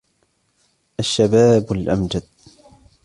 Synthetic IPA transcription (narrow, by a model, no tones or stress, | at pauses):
ʔaʃːabaːbalʔamd͡ʒad̪̚